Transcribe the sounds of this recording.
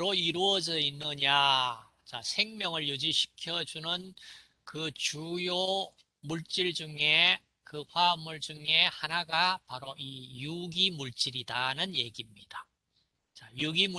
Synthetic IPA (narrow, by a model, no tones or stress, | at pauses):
ɾoiɾuʌd͡ʑʌinːɯɲa | t͡ɕa̰sʰe̞ŋmjʌŋɯɭjud͡ʑiɕʰi̥kʰjʌd͡ʑunɯn | kɯt͡ɕujo | muɭt͡ɕ͈iɭd͡ʑuŋe̞ | kɯɸamuɭd͡ʑuŋe̞hanaɡapaɾoijuɡimuɭt͡ɕ͈iɾidanɯnje̞ɡimɲid̥a | t͡ɕajuɡimu